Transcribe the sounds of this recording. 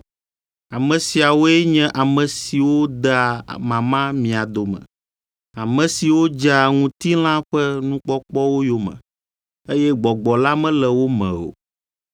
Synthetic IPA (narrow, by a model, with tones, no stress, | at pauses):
a˨mɛ̃˨si˨a˨wo˦ɛ˦ɲɛ̃˦ʔa˨mɛ̃˨si˨wo˦d̪ɛ˦a˨mã˨mã˦mĩ˨a˨d̪o˨mɛ̰̃˨ | a˨mɛ̃˨si˨wo˦d͡ʒa˦˨ŋũ˦t̪i˦l̃ã˦ɸɛ˦nũ˦k͡pɔ˦k͡pɔ˦wo˦jo˦mɛ̰̃˨ | e˦jɛ˦ɡ͡bɔ˨ɡ͡bɔ˨la˦mɛ̃˦lɛ˨wo˦mɛ̰̃˨o̰˨